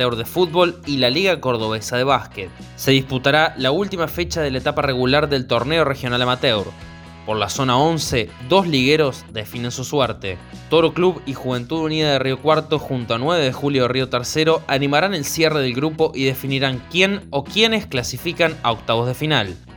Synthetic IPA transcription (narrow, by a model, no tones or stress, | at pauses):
ewɾðefud̪̚βo̞lilaliɣako̞ɾðo̞βe̞saðe̞β̞asket̪̚ | se̞ðisput̪aɾalault̪imafet͡ʃað̞e̞laet̪apare̞ɣulaɾðe̞lt̪o̞ɾne̞o̞rexjo̞nalamat̪ewɾ | poɾlaso̞nao̞nse̞ðo̞sliɣe̞ɾo̞sðe̞fine̞nsusweɾt̪e̞t̪o̞ɾokluβixuβ̞e̞nt̪uðuniðaðeriokwaɾt̪o̞xunt̪oanweβ̞e̞ðexuljoario̞t̪eɾseɾo̞ʔanimaɾane̞lsjere̞ðe̞lɣɾupo̞ʔiðe̞finiɾaŋkje̞no̞kjenesklasifikanaok̚t̪aβo̞zðe̞final